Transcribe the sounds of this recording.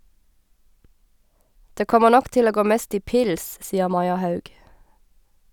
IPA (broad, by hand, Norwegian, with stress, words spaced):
ˈdeː ˈkɔmə ˈnɔk ˈʔtɪl ˈoː ˈɡoː ˈmeːst ˈiː ˈpɪls ˈsiːəʁ ˈmɑɪɑ ˈhɑʉɡ